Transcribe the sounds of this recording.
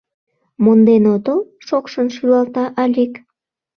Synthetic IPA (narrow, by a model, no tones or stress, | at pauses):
mond̪enod̪o | ʃokʃənʃylɑlt̪ɑʔɑlʲik